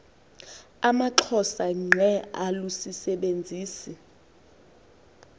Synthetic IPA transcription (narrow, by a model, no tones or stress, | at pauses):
amaǁʰɔsaŋ͡ǀʱɛalusisɛɓend͡zʱiːsi